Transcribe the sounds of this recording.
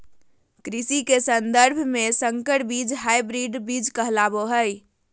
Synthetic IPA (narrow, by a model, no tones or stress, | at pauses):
kɾisikesənd̪əɾbʱmesəŋkəʈbid͡ʒɦajbɾiɖbid͡ʒkəɦlaboɦəj